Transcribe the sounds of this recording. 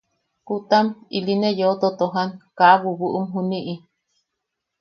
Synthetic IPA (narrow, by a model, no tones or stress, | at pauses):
kut̪amilinejot̪ot̪oɦankaβuβuʔumɦuniʔi